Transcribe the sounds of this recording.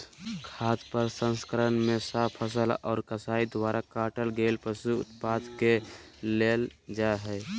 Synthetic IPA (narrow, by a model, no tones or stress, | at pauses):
kʰaːt̪ʰpəɾsə̃nskəɾənmesapʰəsəlɔ̰ːɾkəsaid̪waɾakaʈəlɡelpəsuʊ̰t̪̚pad̪keleld͡ʒaɦɛ